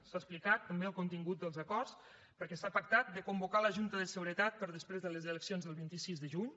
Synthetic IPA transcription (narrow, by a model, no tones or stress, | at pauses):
saəsplikat̪ːəmbeəlˠkunt̪iŋɡut̪̚d̪əlˠzəkɔrs | pəɾkɛsapək̚t̪at̪̚d̪əkumbukaləʒunt̪əðəsəɣɾət̪at̪̚pəɾðəspɾezðələzələksionzðəlˠβint̪isizðəʒuɲ